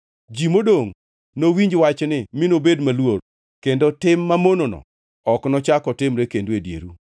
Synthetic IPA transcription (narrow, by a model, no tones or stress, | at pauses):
d͡ʒimodoŋ | nowiɲd͡ʒwat͡ʃnɪmɪnobedmalwor | kendotɪmːamononɔ̰ | ɔknɔt͡ʃakɔtɪmɾekendwedjḛɾu